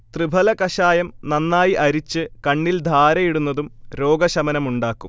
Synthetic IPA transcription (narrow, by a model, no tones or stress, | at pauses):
t̪ribʱɐlɐkɐɕaːjɐmnɐnːaːjiʔɐɾit͡ɕːɨkɐɳːild̪ʱaːɾɐjiɽunːɐðumɾo̞ːɡɐɕɐmɐnɐmuɳɖaːkːum